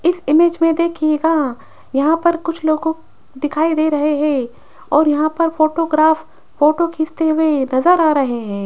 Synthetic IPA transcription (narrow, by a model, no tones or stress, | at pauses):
ɪsɪmeːd͡ʒmẽd̪eːkʰieːɡa | jɐɦãpɐɾkʊt͡ʃʰloːɡõ | d̪ɪkʰaːid̪eːɾɐɦeɦɛ̃ː | ɔːɾjɐɦãpɐɾfoːʈoːɡɾaːf | foːʈokʰɪːst̪eɦʊwenɐzəɾaːɾɐɦeɦɛ̃ː